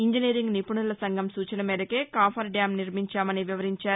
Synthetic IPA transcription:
iɲd͡ʒiniːɾiŋɡnipuɳulɐsɐŋɡʱɐmsuːt͡ʃɐnɐmeːd̪ɐkeːkaːpʰɐɾɖjaːmniɾmiɲt͡ʃaːmɐniʋiʋɐɾiɲt͡ʃaːɾu

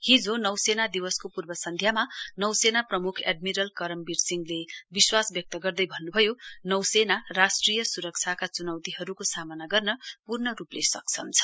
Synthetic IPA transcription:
hid͡zonʌwsenad̪iwʌskopurbʌsʌnd̪ʱjamanʌwsenaprʌmukʰḛɖmiɾʌlkʌɾʌmbirsiŋɡlebiswasbjʌk̚t̪ʌɡʌrd̪ʌjbʱʌnːubʱʌjonʌwsenarasʈrijʌsuɾʌk̚t͡sʰakat͡sunʌwt̪iɦʌɾukosamʌnaɡʌrnʌpurnʌɾuplesʌk̚t͡sʰʌnt͡sʰʌ̥

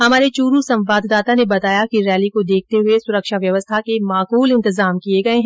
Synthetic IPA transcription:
hɐmaːɾet͡ʃuːɾusɐ̃mʋaːd̪ʱd̪aːt̪anebɐt̪aːjakiɾɛːlikod̪eːk̚ʰt̪eɦʊesʊɾəkʃaʋjɐʋəst̪ʰakemaːquːlɪ̃nt̪ɪzaːmkieɡɐeɦɛ̃

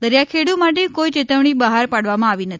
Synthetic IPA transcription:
d̪əɾjakʰeɽumaʈ̬ekoit͡ʃet̪əʋɳ̃ibəɦaɾpaɽʋamãaʋinət̪ii̥

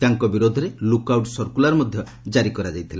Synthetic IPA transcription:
t̪aŋkɔbiɾod̪ʱɔɾelukawʈsɔɾkulaɾɔmɔd̪ʱjɔ | d͡ʒaɾikɔɾad͡ʒajt̪ʰile

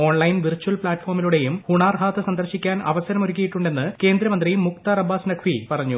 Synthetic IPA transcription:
o̞ːɳlɐjnʋirt͡ɕːuɐlpɭaːʈːfo̞ːrmiluɽe̞jumhuɳaːrɦaːt̪ːɨsɐnd̪ɐrɕikʲːaːnɐ̰ʋɐsɐɾɐmoɾuk̬ʲːijiʈːuɳɖe̞nːɨke̞ːnd̪ɾɐmɐnd̪rijumːuk̚t̪ɐrɐbaːsnɐkʰʋipɐrɐɲːu

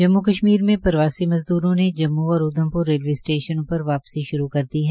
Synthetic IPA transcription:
d͡ʒɐmːukɐʃmiːɾmẽpɐɾʋaːsimɐzd̪uːɾõned͡ʒɐmːuɔːɾʊd̪ʱə̃mpʊɾːeːlʋeːsʈeːʃənõpɐɾʋaːpsiʃʊɾukɐɾd̪iɦɛː

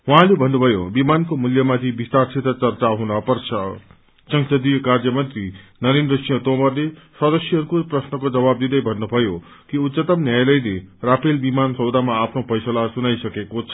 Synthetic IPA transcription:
ɦwuɦãlebʱʌnːubʱʌjo̰bimankomuljʌmat̪ʰibist̪aɾsʰet̪ʌt͡sʌrt͡saɦunʌpʌrsʰʌ | sʌŋsʌd̪ikaɾd͡zjʌmʌnt̪ɾinʌɾenɾʌsijʌ̃t̪omʌɾlesʌd̪ʌsjʌɦʌɾukoprʌsnʌkod͡zʌbab̚d̪id̪ʌjbʱʌnːubʱʌjo | kiut̪sʌt̪ʌmnjajlʌjleɾapʰelbimansʌwd̪amaːpʰnopʰʌjsʌlasunajsʌkekot͡sʰʌ̥

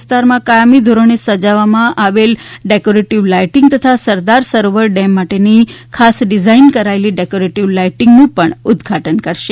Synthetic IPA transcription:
st̪aɾmãkajamid̪ʱoɾonesəd͡ʒaʋamãʔaʋelɖekoɾeʈiʋlajʈɪŋɡt̪ət̪ʰasəɾd̪aɾsəɾoʋəɾɖɛmːaʈenikʰasɖɪd͡ʒainkəɾaeliɖekoɾeʈiʋlajʈɪŋɡnũpəɳʊd̪ɡʱaʈənkəɾʃe

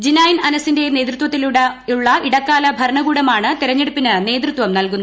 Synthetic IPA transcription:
d͡ʑinaːjinɐnɐsinde̞ne̞ːd̪rɨt̪ʋɐt̪ːiluɽuɭːɐiɽɐkːaːlɐbʱɐɾɐɳɐɡuːɽɐmaːɳɨt̪iɾɐɲːeɽupːinɨne̞ːd̪rut̪ʋɐmnɐlkunːɐ

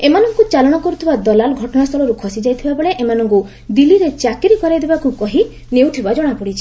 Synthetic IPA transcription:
emanɔŋkut͡ʃalɔɽ̃ɔkɔɾut̪ʰibad̪ɔlalɡʱɔʈɔɽast̪ʰɔɭɔɾukʰɔsid͡ʒajt̪ʰibabeɭeʔemanɔŋku | d̪iliɾet͡ʃakiɾikɔɾajd̪ebakukɔɦi | newt̪ʰibad͡ʒɔɽ̃apɔɽit͡ʃʰi̥

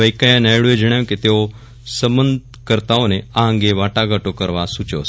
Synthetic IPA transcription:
əjkajãnajɭued͡ʒəɽ̃ajket̪eo | səmənd̪̚ʱ | kəɾt̪aoneaɦãŋɡeʋaʈaɡaʈokəɾʋasut͡ʃo̰s

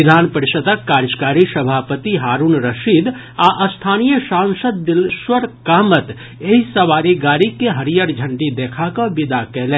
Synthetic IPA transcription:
ɪd̪ʱaːnpəɾɪʃət̪əkːaːɾd͡ʒkaːɾisɐbʱaːpət̪iɦaːɾuːnɾəʃiːd̪ | aʔst̪ʰaːnijəʃãːnsəd̪̚ːɪlʃwəɾkaːmət̪ | eɦisɐʋaːɾiɡaːɾikeɦɐɾijəɾd͡ʒʱə̃ɳɖid̪eːkʰakãbɪd̪akɛɦlẽː

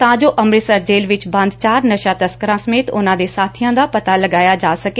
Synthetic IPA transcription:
t̪ãːd͡ʒoːʔəmɾɪsəɾd͡ʒeːlʋɪt͡ʃbə̃nd̪t͡ʃaːɾnəʃaːt̪əskəɾãːsəmeːt̪ʊnãːd̪eːsaːt̪ʰijãːd̪aːpət̪aːləɡaːjaːd͡ʒaːsəke

